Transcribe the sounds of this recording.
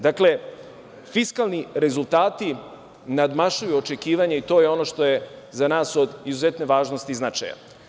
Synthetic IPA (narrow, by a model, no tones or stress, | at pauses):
d̪akle̞ | fiskalˠniɾe̞zult̪aːt̪i | nad̪maʃujuot͡ʃe̞kiːʋaɲeit̪o̞ːjeo̞no̞ʃt̪o̞jezanaːso̞d̪izuzet̪ne̞ʋaːʒnost̪iznat͡ʃa̰ja̰